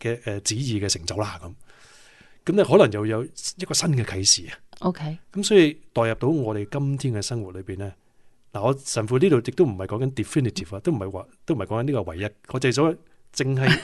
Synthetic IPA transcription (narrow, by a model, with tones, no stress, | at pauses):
kɛː˧ʔɛː˨˧t͡siː˨˥jiː˨kɛː˧sɪ˨˩ŋt͡sɐ˨˥wlaː˥kɐ˨˦m | kɐ˨˦mnɛ˥ɦɔ˨˥lɐ˨˩ŋjɐ˨wjɐ˨˧wjɐ˥t̚kɔː˧sɐ˥nkɛː˧kʰɐ˨˥jsiː˨ɐ˨ʔo˧kʰe˥jkɐ˨˦msɔː˨˥ji˨˧t̪ɔː˨˩jɐ˨p̚t̪o˨˥wŋɔː˨˧ɾe˨jkɐ˥mt̪ʰiː˥nkɛ˧sɐ˥ŋwt̚lɵ˨˧piː˨˩nlɛː˥ | laː˨˩ŋɔː˨˧sɐ˨˩nfuː˨˧liː˥t̪o˨˧jɪ˨k̚t̪o˥m̩˨˩hɐ˨˩jkɔː˨˥ŋkɐ˨˥nt̪i˨fi˥nɪ˨t̪ʰi˨˩faː˧t̪o˥wm̩˨˩ɐ˨jwaː˧t̪o˥wm̩˨jkɔ˨˦˥kɐ˧˦niː˥kɔ˧wɐ˨˩jːɐ˨t̚ɔː˨˧t͡sɐ˨jsɔː˨˥ | t͡sɪ˧ŋɦɐ˨j